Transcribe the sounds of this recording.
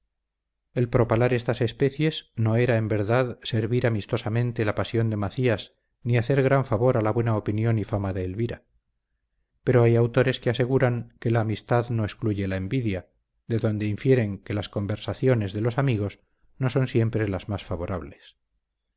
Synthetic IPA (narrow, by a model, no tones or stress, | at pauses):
e̞lpɾo̞palaɾe̞st̪ase̞spe̞θje̞zno̞e̞ɾaembe̞ɾðaðse̞ɾβiɾamist̪o̞samẽ̞nt̪e̞lapasjo̞nd̪e̞maθiaz | niaθe̞ɾɣɾaɱfaβo̞ɾalaβwe̞naopinjo̞nifamaðe̞ːlβiɾa | pe̞ɾo̞ajawt̪o̞ɾe̞skease̞ɣ̞uɾaŋke̞laːmist̪aðno̞eskluʝe̞laembiðja | ðe̞ðo̞nd̪eiɱfje̞ɾe̞ŋke̞lasko̞mbe̞ɾsaθjo̞ne̞zðe̞lo̞samiɣ̞o̞s | no̞so̞nsje̞mpɾe̞lazmasfaβo̞ɾaβle̞s